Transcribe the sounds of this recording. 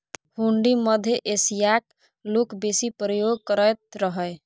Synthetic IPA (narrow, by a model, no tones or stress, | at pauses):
huɳɖiməd̪ʱjeʔesijak | lokbesipɾəjoɡ̚kəɾəjt̪ɾəɦə